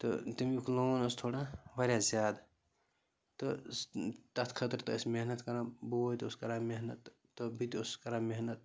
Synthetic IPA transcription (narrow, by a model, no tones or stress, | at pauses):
t̪ɨ̰t̪imukʰloːnɐst̪ʰoːɽaʋɐɾʲjaːzʲjaːd̪ | t̪ost̪ɐt̪ʰkʰɐt̪ɾt̪ɐɐsmeɦnɐt̪kɐɾãːbot̪uskɐɾaːmeɦnɐt̪ː | obit̪ʊskɐɾaːmeɦnɐt̪̚